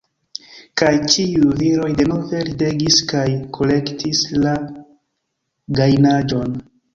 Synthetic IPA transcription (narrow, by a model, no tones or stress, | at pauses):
kajt͡ʃiujviɾo̞jde̞nove̞lide̞ɡiskajkʰo̞le̞ktʰisla | ɡajnad͡ʒo̞n